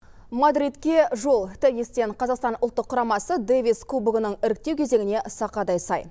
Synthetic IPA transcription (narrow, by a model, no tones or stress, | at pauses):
mad̪ɾit̪kʲe̞ʒo̞lˠt̪ʰejest̪e̞ɴqʰɑzɑqst̪ɑnʔʊlˠt̪ːəqʰːʊɾɑmɑsəd̪evʲiskʰubuɡənəɴɪɾɪk̚t̪e̞wkʲʰe̞ze̞ŋɪne̞ʔsɑqɑd̪ɑjsɑj